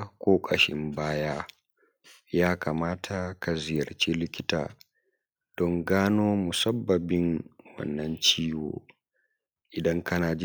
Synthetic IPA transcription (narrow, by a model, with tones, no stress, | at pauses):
kʷʼoː˦kʼɐ˨ʃɪ˦mbaː˦jaː˦ | jaː˦ka˨maː˦tʰa˨ka˨zɪ˨jɐ˨rt͡ʃi˦lɪ˦kʲɪ˦ta̰ː˨ | d̥ɔ˦ŋɡaː˦noː˦mʊ˨sɐ˦bːɐ˨bɪ˦ŋwɐ̰˦˨nːɐ˦nt͡ʃiː˦wo̰ː˨ | ʔɪ˨dɐ˦ŋkʰɐ˦naː˨d͡ʒ